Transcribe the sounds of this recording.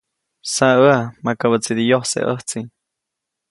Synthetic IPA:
saəamakaβət͡sid̪ijohsḛʔəht͡siɲ

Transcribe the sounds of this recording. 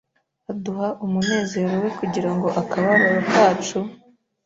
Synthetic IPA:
aduhaʔumune̞ːze̞ɾo̞we̞kuɟiɾaŋɡo̞ʔakaβaɾaɾakaːt͡ʃu

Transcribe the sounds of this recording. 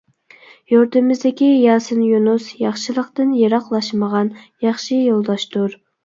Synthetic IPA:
joɾt̪ɨmɪzd̪ɪkʲijɑːsɨnjunusjɑχʃɨlˠəqt̪ɨnjeɾɑqlˠɑʃməʁɑnjɑχʃijolˠd̪ɑʃt̪uɾ

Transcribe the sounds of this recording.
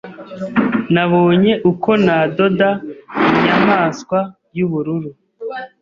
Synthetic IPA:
naβo̞ːɲe̞ʔuko̞nado̞daiɲamaːskwa | juβuɾuɾu

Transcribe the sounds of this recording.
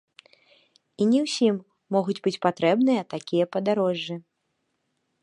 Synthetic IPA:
inʲɛwsʲimː | ɔɣud͡zʲbɨt͡sʲpat̪ɾɛbnɨjɐt̪akʲijɐpɐd̪aɾɔʐːɨ

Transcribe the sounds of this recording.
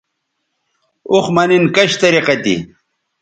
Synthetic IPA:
uxmɐninkɐɕt̪ɐɾiqɐt̪ḭ

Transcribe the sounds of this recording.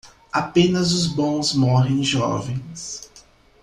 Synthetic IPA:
apẽnɐzʊzbõw̃zmɔɦẽj̃ʒɔ̰vẽj̃s

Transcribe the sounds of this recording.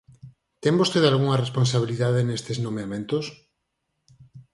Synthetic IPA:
t̪eŋbost̪eðalɣuŋɐresponsaβiliðaðenest̪eznomeamẽnt̪os

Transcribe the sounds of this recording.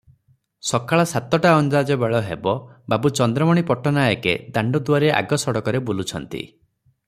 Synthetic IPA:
sɔkaɭasat̪ɔʈaɔnd͡ʒad͡ʒɔbeɭɔɦebɔbabut͡ʃɔnd̪ɾɔmɔɽ̃ipɔʈɔnajɔkḛd̪aɳɖɔd̪uaɾeʔa̰ɡɔsɔɽɔkɔɾebulut͡ʃʰɔnt̪ḭ

